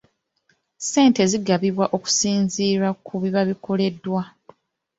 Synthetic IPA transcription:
se̞ːnte̞ziɡaβiβwaʔo̞ku̥siːnziːɾakʰuβiβaβikʰo̞le̞dːwa

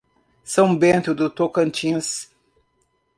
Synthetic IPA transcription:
sɐ̃w̃bẽnt̪ʊd̪ʊt̪okɐ̃nt͡ʃĩs

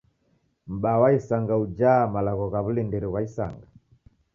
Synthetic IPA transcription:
m̩ɓawaisaŋɡaud͡ʒamalaɣɔɣaβulindiɾiwaisa̰ŋɡa

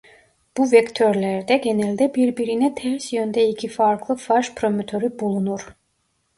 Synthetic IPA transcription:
b̥uvɛkt̪ʰøɾlʲæɾd̪ɛɟe̞nælʲd̪ɛbiɾbiɾinɛt̪ʰɛɾsjønd̪ɛicʰifaɾklˠɯfaɾʃpʰɾo̞mot̪ʰø̞ɾybulˠunuɾ̥

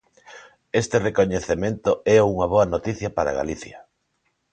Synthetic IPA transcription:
est̪erekoɲeθemẽnt̪oɛuŋɐβ̞oɐnot̪iθjɐpaɾa̰ɣa̰liθjɐ̰

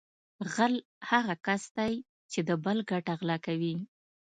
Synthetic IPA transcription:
ɣal | haɣakasd̪aj | t͡ʃed̪əbəlɡaʈaɣlɑkawi

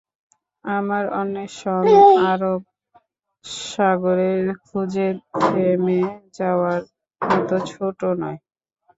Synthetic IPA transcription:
amaɾɔ̰nːeʃɔnaɾob̚ | ʃaɡoɾeɾkʰud͡ʑeɾemed͡ʑaoaɾ | ɔt̪ot͡ɕʰoʈonɔe

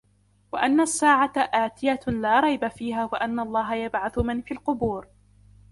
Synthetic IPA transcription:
waʔanːasːaːʕaʔaːt̪ɪjalaːɾˤɑjbafiːɦaːwaʔanːaɑlˤːɑːɦajabʕaθʊmanfiːlqʊbuːɾ

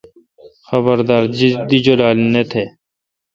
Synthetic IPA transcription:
xəbəɾd̪aːɾd͡ʒɪd̪id͡ʒolaːlnet̪ʰeː

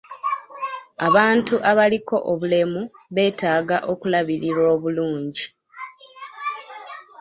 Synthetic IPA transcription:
aβaːntuʔaβaliko̞ʔoβule̞muβe̞ːtaːɡaʔokulaβiɾiɾo̞ːβuluːɲɟi

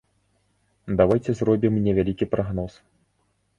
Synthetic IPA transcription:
d̪avajt͡sʲɛzrɔbʲimnʲɛvʲalʲikʲipɾaɣnɔs

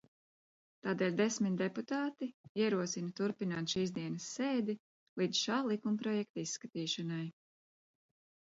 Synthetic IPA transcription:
t̪aːd̪eːlʲd̪esmit̪̚ʲd̪eput̪aːt̪iiɛɾuɔsinɐt̪uɾpinaːt̪ʃiːzd̪iɛnɐsːeːd̪i | lˠid̪zʃaːlˠikumpɾɔjɛk̚t̪aisːkat̪iːʃanaj

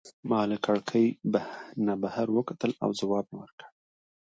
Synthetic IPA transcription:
mɑlɪkaɽkʰəjbanabahaɾwəkat̪əla̰wzawɑb̚mewəɾkə̥ɽ

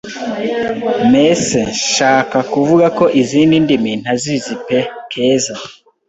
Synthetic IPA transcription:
meseʃaːkakuvuɡako̞ʔiziːndindimin̥hazizipe̞kʰe̞ːza

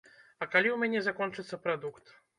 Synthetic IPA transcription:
ɐkalʲiwmʲɛnʲɛzakɔnt͡ʂɨt̪sːɐpɾad̪ukt̪

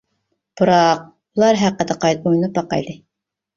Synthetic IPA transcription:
b̥uɾɑq̚ | bulˠɑɾɦæqːəd̪ɨqʰɑjt̪̚ojnup̚bɑqɑ̰jd̪ɨ

